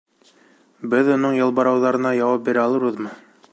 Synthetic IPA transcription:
bɘðŏnoɴjɤ̆lˠbɑɾɑwðɑɾɤ̆nɑjɑwɑp̚bʲiɾɘɑlˠɤɾbɤ̆ðmɤ

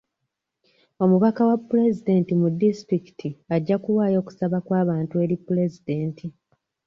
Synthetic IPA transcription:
o̞muβakawapːule̞zide̞ːntimudːistɾiki̥tʰiaɟːakulwaːjo̞ːku̥saβakwaːβaːntue̞ɾipːule̞zide̞ːntʰi

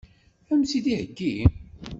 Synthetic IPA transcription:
æmsiðihəɡːi

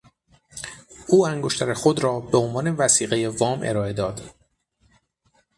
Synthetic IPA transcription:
ʔuːæŋɡoʃt̪ʰæɾexod̪ɾɒːbe̞o̞nvɒːne̞væsiːɣeje̞vɒːmʔe̞̰ɾɒːe̞d̪ɒːd̪̥

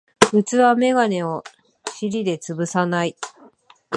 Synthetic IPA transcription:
ɯ̟t͡sɨβame̞ɡane̞o | ɕiɾʲid̪e̞t͡sɨbɯ̟sanai

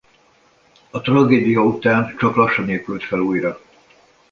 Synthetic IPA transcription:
ɒt̪rɒɡeːd̪ijɒut̪aːnt͡ʃɒklɒʃːɒneːlkylt̪fɛluːjrɒ

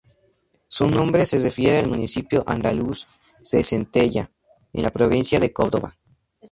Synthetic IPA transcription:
sunõ̞mbɾe̞serefjeɾealmũnisipjo̞ʔa̰nd̪alus | ðesent̪e̞ʝa̰ | ḛnlapɾoβinsjaðe̞ko̞ɾðo̞βa

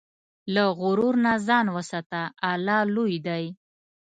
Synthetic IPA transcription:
laɣʊɾuɾnazɑnwəsat̪aːlɑlujd̪aj

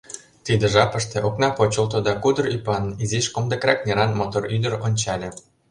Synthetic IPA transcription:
t̪id̪ĕʒɑpə̆ʃt̪ĕʔoknɑpot͡ɕŏlt̪ŏd̪ɑkud̪ɤ̆rypɑniziʃkomd̪ə̆krɑk̚nʲeɾɑnmot̪oryd̪ə̆ɾonʲt͡ɕɑlʲĕ

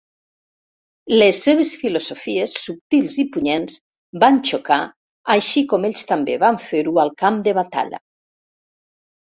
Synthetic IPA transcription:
lesːeβ̞esfilozofiesːup̚t̪ilˠzipuɲenz | bant͡ʃoka | aʃikɔmeʎst̪ambeβaɱfeɾualˠkamd̪eβat̪a̰ʎa̰

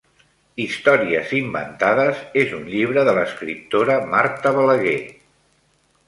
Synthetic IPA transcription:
ist̪ɔɾiə̰zimbə̰nt̪aðəzezunʎiβ̞ɾəðələskɾip̚t̪oɾəmaɾt̪əβələɣe

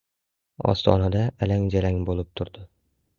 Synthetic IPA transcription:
ɒ̰st̪ʰɒ̰nad̪aːlaŋd͡ʒalaŋbolˠɪp̚t̪ʰʊɾd̪̥ɪ

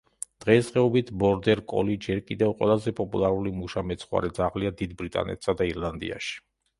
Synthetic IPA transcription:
d̪̥ʁɛsʁɛɔbit̪ʰbɔɾd̪ɛɾkʼɔ̰lid͡ʒɛɾkʼid̪ɛvqʼwɛ̰lˠazɛpʼɔpʼulˠaɾulimuʃamɛt̪sʰχwa̰ɾɛd̪zaʁliad̪id̪bɾit̪ʼa̰nɛ̰t̪ʰsad̪aiɾlˠand̪ḭa̰ʃi̥

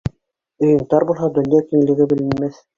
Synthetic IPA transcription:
ɵ̆jɤ̆ɴt̪ɑɾbulˠɦɑd̪ɵ̆njɑkiŋɘ̆lɘ̆ɡɘbɘ̆lɘ̆nmæθ

